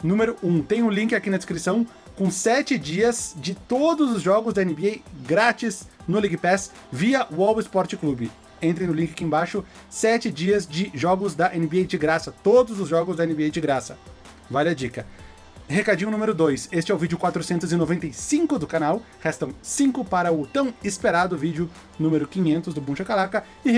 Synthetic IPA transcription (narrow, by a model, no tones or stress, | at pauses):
nũmeɾʊũt̪ẽj̃ʊlĩkɪakinɐd͡ʒɪskɾisɐ̃w̃ | kõsɛt͡ʃɪd͡ʒiɐz̥d͡ʒɪt̪od̪ʊzʊzʒɔɡʊzd̪ɐenɪbeejɡɾat͡ʃiznʊliɡɪpɛs | viɐʔʊɔwɪspɔɾt͡ʃɪklubɪ | ẽnt̪ɾẽnʊlĩŋkʲɪḁkiẽbaʃʊ | sɛt͡ʃɪd͡ʒiɐzd͡ʒɪʒɔɡʊzd̪ɐʔẽnɪbeejd͡ʒɪɡɾasɐt̪od̪ʊzʊzʒɔɡʊzd̪ɐenɪbeejd͡ʒɪɡɾasɐ | valɪɐd͡ʒikɐ | hekad͡ʒĩɲ̃ʊ̃nũmeɾʊd̪ojsest͡ʃɪɛʊvid͡ʒʊkwat̪ɾʊsẽnt̪ʊzɪnovẽnt̪ejsĩŋkʊd̪ʊkanaw | hɛst̪ɐ̃w̃sĩŋkʊpaɾɐʊt̪ɐ̃w̃ɪspeɾad̪ʊvid͡ʒʊ | nũmeɾʊkĩɲẽnt̪ʊzd̪ʊbũʃɐkalakɐ | ɪ